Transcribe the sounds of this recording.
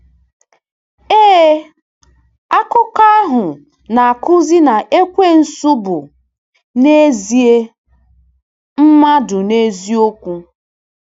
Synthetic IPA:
eː˦ | a˦kʊ˦ka˦a˦ɦʊ˨ | na˨a˨kʊ˦zi˦na˨ʔe˦kʷe˦n̩˨sʊ˦bʊ˨ | ne˦zi˨e˦ | m̩˦ma˦dʊ˨ne˦zi˦o˦kʷu˦

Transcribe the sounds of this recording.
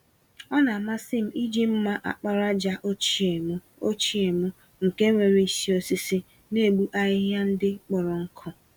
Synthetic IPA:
ɔ˦na˨a˨ma˦sɪ˦m̩˦i˦d͡ʒi˦m̩˦ma˦ʔa̰˨k͡pa˦ɾa˦d͡ʒa˦ʔo˦t͡ʃi˦e˨mʊ˦ | o˦t͡ʃi˦e˨mʊ˦ | ŋ̩˨ke˦ŋʷe˨ɾi˨si˦o˦si˦sɪ˦ | ne˦˨ɡ͡bu˦ʔa˦ɦɪ˦ɦja˦n̩˦dɪ˦k͡pɔ˨ɾɔ˨ŋ̩˦kʰɔ˦

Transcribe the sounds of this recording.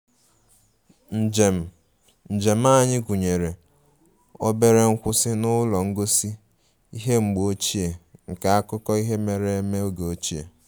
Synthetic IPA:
n̩˨m˨ | n̩˨d͡ʒe˨m̩˦a˦˨ɲɪ˦ɡʷu˨ɲe˨ɾe˨ | ɔ˦be˦ɾe˦ŋ̩˦kʷʊ˦sɪ˦nʊ˦lɔ˨ŋ̩˦ɡo˦si˦ | i˦ɦe˦ŋ͡m̩˨ɡ͡bo˦t͡ʃi˦e˨ŋ̩˨ka˨a˦kʊ˦kɔ˦i˦ɦe˦me˨ɾe˦e˦me˦o˦ɡe˨o˦t͡ʃi˦ḛ˨

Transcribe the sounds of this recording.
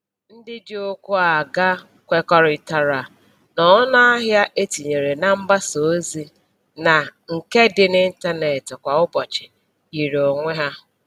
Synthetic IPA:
n̩˦dɪ˦d͡ʒɪ˦o˦kʷu˦a˨ɡa˦ | kʷe˨kɔ˦ɾɪ˨ta˨ɾa˨ | nɔ˨˦na˦a˦ɦja˦ʔe˦ti˨ɲe˨ɾe˨na˨m̩˦ba˦so˨˦zi˦ | na˨ŋ̩˨ke˦dɪ˨nɪ˦n̩˦ta˦ne˨tɪ˨kʷa˨ʊ˦bɔ˨t͡ʃɪ˨ | i˨ɾo˨ŋʷe˦ɦa˦

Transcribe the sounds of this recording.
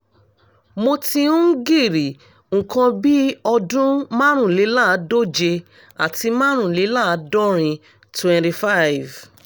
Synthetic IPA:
mo˧tĩ˧ũ˦ɡi˦˨ɾi˨ | ŋ̩˨kã˧bi˦ɔ˧dũ˦mã˦ɾ̃ũ˦˨li˨˦la˦˨˦do˦d͡ʒe˧ | a˨ti˧mã˦ɾ̃ũ˦˨li˨˦la˦˨˦dɔ˦ɾ̃ĩ˧ | twɛ̃˨ti˧fa˦jv

